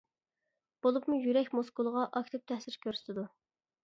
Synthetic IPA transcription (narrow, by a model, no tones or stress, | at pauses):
b̥olˠʊpmujyɾɛkʲmoskulˠʁɑʔɑkʲt̪ʰɪp̚t̪ʰɛhsɪɾkʲʰøɾsɪ̥t̪ʰɪd̪u